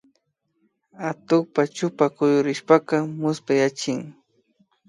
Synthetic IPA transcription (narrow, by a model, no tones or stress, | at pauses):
at̪ʊkpat͡ʃʊpakʊjʊɾɪʃpakamʊspajat͡ʃɪŋ